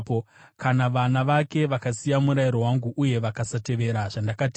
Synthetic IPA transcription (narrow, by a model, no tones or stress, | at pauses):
kanaʋanaʋake̞ʋakasijamuɾajiɾo̞waŋɡuʔuje̞ʋakasate̞ʋe̞ɾaʐandakati